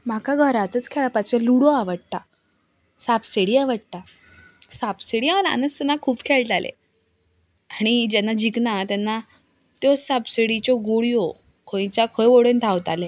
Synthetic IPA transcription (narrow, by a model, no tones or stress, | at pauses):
m̤akaɡʱəɾat̪ət͡skʰɛɭapat͡ɕeluɽoaʋəɽt̪a | sapseɽiaʋəɽt̪a | sapseɽialaa̰nəst̪ənakʰuːpkʰeɭʈ̪alʔḛ | aɽ̃id͡ʑɛnːad͡ʑiknat̪anːa | t̪jɔsapseɽit͡ɕɔɡoɽijɔ | kʰõĩt͡ɕakʰəjʋoɽent̪ʰawt̪ale